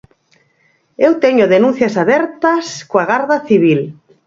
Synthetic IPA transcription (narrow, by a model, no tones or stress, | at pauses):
ewt̪eɲʊðenũn̟θjɐsaβɛɾt̪ɐskoaɣaɾðaθiβ̞il